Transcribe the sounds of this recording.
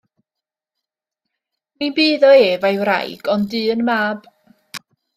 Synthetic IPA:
minbiːðɔeːvajwra̰jɡ̥ɔndɨːənmaːb̥

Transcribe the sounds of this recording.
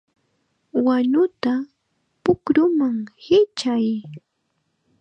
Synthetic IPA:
waɲʊt̪a | pʊkɾʊmaŋhɪt͡ʃaj

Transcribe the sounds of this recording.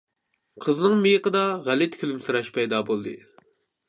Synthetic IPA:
qʰəznɨŋmejəqəd̪ɑʁælɪt̪̚kʲʰylymsɨɾɑʃpʰɛjd̪ɑːbolˠd̪ɨ̰

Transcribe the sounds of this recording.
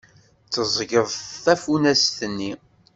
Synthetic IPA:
t͡sːəzˤʝəðˤθæfunæsθənːi

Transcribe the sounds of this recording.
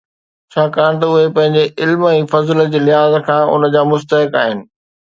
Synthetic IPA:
t͡ɕʰaːkaːɽ̃t̪̬ɐʊɦepɐ̃ɦɪ̃ɲ̆d͡ʑeʔɪlmɛ̃ːfɐzld͡ʑeːlɪɦaːzkʰãːʔʊ̰nəd͡ʑaːmʊst̪əɦɪka̰ːɦɪnɪ̆

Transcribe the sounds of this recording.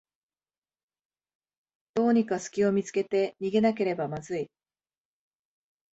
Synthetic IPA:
d̪̥o̞ːɲ̟ikasɨ̥kʲio̞mʲit͡sɨ̥ke̞t̪e̞ɲ̟iɡe̞nak̬e̞ɾe̞bamazɨi

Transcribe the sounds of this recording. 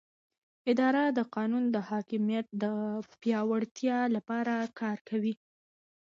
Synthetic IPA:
ɪd̪ɑɾad̪əqɑnund̪əhɑkɪmijat̪̚d̪əpjɑwaɽt̪jɑlapɑɾakʰɑɾkʰawi

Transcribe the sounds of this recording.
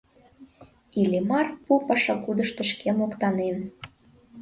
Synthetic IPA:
ilʲemɑrpupɑʃɑkud̪əʃt̪ə̆ʃkemokt̪ɑnen

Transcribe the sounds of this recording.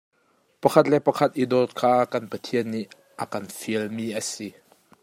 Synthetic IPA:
pɐkʰɐt̪̬̚lɛʔpɐkʰɐt̪̚ʔid̪ɔt̪̚kʰaːkɐnpɐt̪ʰiənːiʔ | ʔəkɐnfiəlmiːʔəsi

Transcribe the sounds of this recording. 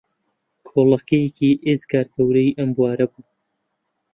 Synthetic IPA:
kʰolɐkejekiʔezkʰaːɾkʰɐwɾɐjʔɐmbuwaːɾɐbuː

